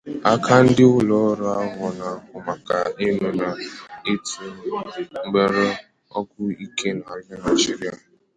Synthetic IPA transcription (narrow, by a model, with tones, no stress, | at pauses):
a˦kʰa˦n̩˦dɪ˦ʊ˦lɔ˨˦ɾa˦a˦ɦɔ˨na˨kʊ˨ma˨ka˨i˦me˦na˨e˦tu˨˦ŋ͡m̩˦ɡ͡be˨ɾe˦ | ɔ˦kʷʊ˦i˦ke˦na˨la˦na˨d͡ʒi˦ɾi˦a˨